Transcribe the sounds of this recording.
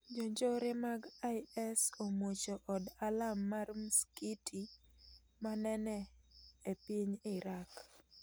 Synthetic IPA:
d͡ʒoɲd͡ʒoɾɪmaɡajɛsomwot͡ʃoʔɔdalamːarmskitʰi | manɛnɛepiɲɪɾak

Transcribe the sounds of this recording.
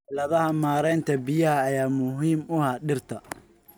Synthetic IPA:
lɐðɐɦɐmaːɾɛjnt̪ʰɐbɪjɐhɐːjaːmʊɦiːmʊhaɖɪrt̪ʰɐ

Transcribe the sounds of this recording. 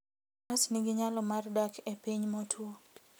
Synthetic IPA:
asniɡɪɲalɔmardakepiɲmɔtʰwo

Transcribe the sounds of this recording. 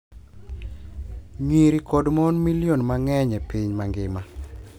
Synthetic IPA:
ɲwiɾikodmɔnmiljonmaŋɛɲɛpiɲmaŋɡɪma

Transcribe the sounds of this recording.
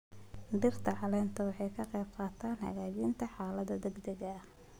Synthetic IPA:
ɖɪrt̪ʰɐʕɑlɛːnt̪ʰɐwɑħɑjkʰɐqɛjb̚qɑːt̪ʰaːnhɐ̰ɣaːt͡ʃiːnt̪ʰɐħɑːlɐðɐd̪ɛɡd̪ɛɣɐ

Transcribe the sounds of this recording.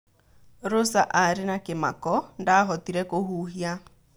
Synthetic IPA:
ɾosaʔaɾɪnakema̰kɔndaɦɔtiɾɛkohuɦia

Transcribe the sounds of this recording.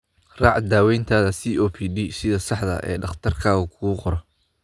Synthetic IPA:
rɑːʕd̪aːwɛjnt̪ʰaːðɐsiːʔoːpʰiːdiːsɪðɐsɑħd̪ɐ̰ʔɛ̰ːɖɑχt̪ʰɐrkʰaːɣɐkʰʊɣuqɔɾɔ

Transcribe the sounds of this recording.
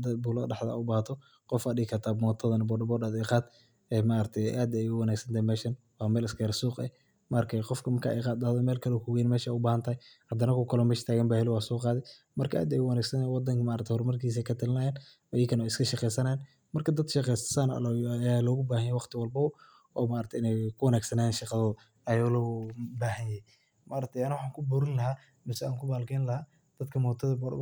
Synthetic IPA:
d̪ɐbuːlɔɖɑħd̪ɐa̰ʊbaːht̪ʰɔ | qɔfaːɪkʰɐt̪ʰaːmɔːt̪ʰɐðɐnɐbɔːɖɐbɔɖad̪ɛqɑːd̪ | ɛːmaːɾɐk̚t̪ʰɛaːd̪ɛjʊwɑnaːɡsɐnt̪ʰaːjmɛːʃɐn | wɑːmɛːlɪskɛɾɐsuːqɛ̰h | mɐrkʰɐqɔfkʰɐmɐkʰa̰ʔɛ̰qɑːd̪̚d̪ahðɔmɛːlkʰɐlɔkʰʊɣɛjnmɛːʃʊbaːhɐnt̪ʰɐhɛjhɐd̪ɐnɐkʰʊkʰɐlɔmɛːʃt̪ʰaːɣɐmbaːhɛlɪwaːsɔːqɑːðɪ | mɐrkʰɐʔa̰ːd̪ɛjwɑnaːɡsɐnwɑd̪ɐŋkʰɐmaːɾɐt̪ʰhɔrmɐrkʰiːs̬ɛjkʰɐt̪ʰɐlɪnɐjɛːnmɐjɐkʰɐnɔːɪskʰɐʃɑqɛjsɐnɐn | mɐrkʰɐd̪ɐd̪ʃɑqɛjssaːn̰lɔjalɔːɣʊbaːhɐnjɛjwɑqt̪ʰɪwɑlbɐ | ɔːmaːɾɐt̪ʰɛɪnɛjkʰʊwɐnaːɡsɐnaːjɛːnʃɑqɑðɔː | ɐjalɔːbaːɦɐnjɛ | maːɾɐɡ̚t̪ʰɛjɐnɐwɑħɑːŋkʰʊbʊːɾɪnlɐɦaː | mɪsɛaːŋkʰʊbaːlkʰɛːnlɐɦaː | d̪̥ɐd̪kʰɐmɔːt̪ʰɐðɐb

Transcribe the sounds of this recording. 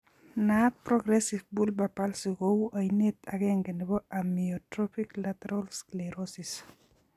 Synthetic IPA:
nat̪̚pɾɔɡɾɛsifbulbapalsikowuʔainet̪aɡɛŋɡenibɔamiɔtɾopiklat̪ɾɔlskleɾosis

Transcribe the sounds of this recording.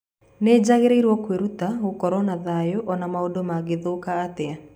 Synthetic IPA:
ned͡ʒaɣeɾeiɾwɔkweɾut̪aokɔɾɔnaðajɔʔɔnamaodomaɡɪðokaːt̪ɛa

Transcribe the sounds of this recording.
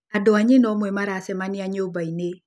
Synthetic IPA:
adoaɲenɔmwɛmaɾaːsɛmaniaɲobaine

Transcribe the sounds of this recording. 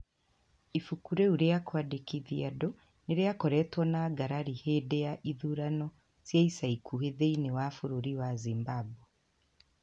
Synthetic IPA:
ifukuɾeuɾejakwadekiðiado | neɾejakoɾetwɔnaɡaɾaɾihedejaʔiðuɾano | z̥jaisaikʰuheðeinewafuɾuɾiwazimbabwe

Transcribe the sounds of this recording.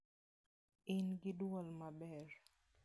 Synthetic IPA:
ɪnɡɪdwɔlmaɓɛɾ

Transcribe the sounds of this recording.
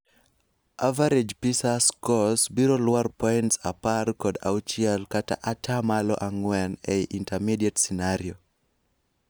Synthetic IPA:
avaɾed͡ʒpisaskɔsbiɾolwarpɔintsaparkɔda̰ʊt͡ʃɪɛlkata̰ʔatʰamalɔʔaŋwɛneiʔintɛmidietsinaɾjo

